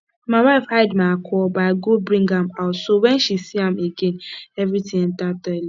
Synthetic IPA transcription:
maɪwaɪfhaɪdmakʰɔbaɪɡobɾĩŋɡamaʊtsowɛ̃nʃisiãmeɡenɛvɾitʰɪ̃ŋn̩tatɔli

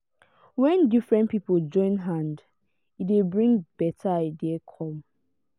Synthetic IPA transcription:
wɛ̃ndifɹɛ̃ntpipold͡ʒɔ̃ɪ̃nɦãnd | idebɹĩŋb̥ɛtʰaaɪdiekʰɔ̃m

